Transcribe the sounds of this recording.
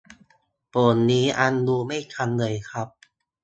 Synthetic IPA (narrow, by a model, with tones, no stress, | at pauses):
poː˨˩nːiː˦˥ʔa˧nduː˧ma˥˩jt̪ʰa˧nlɤː˧jkʰɾa˦˥p̚